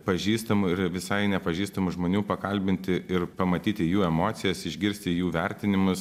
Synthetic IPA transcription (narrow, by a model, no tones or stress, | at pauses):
pɐʒʲiːst̪ɐmʊɪɾʋʲɪsɐɪnʲɛpɐʒʲiːst̪ɐmʊʒmoːnʲuːpɐkɐlʲbʲɪnʲt̪ʲɪɪrpɐmɐt̪ʲiːt̪ʲɪjuːɛmoːt̪sʲɪjɛsɪʒʲɡʲɪɾʲsʲt̪ʲɪjuːʋʲɛɾʲt̪ʲɪnʲɪmʊs